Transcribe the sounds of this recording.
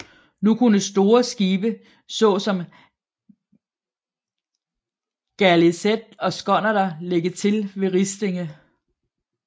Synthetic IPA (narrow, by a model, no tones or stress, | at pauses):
nukʰunəsd̥o̝ːɐsɡ̥iːb̥ə | sɔ̰̽ːsɒ̽m | ɡ̥ælesed̥ɒ̽sɡ̥ɒ̽nɐdɐleɡ̥ət͡sʰe̝lʋe̝ʁisd̥e̝ŋə